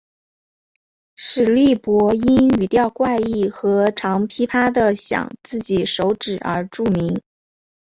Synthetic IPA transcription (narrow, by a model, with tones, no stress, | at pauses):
ʂɻ̩˨˩li˥˩pwɔ˧˥i˥ny˨˩t̪jɑ˥˧ʊkwa˥˧ɪi˥˩xɤ˧˥ʈ͡ʂʰɑ˧˥ŋpʰi˥pʰa˥d̪ə˨ɕjɑ̰˨˩ŋt͡sɹ̩˥˩t͡ɕi˨˩ʂo˧˥ʊʈ͡ʂɻ̩˨˩ə̰˞˧˥ʈ͡ʂu˥˩mi˧˥ŋ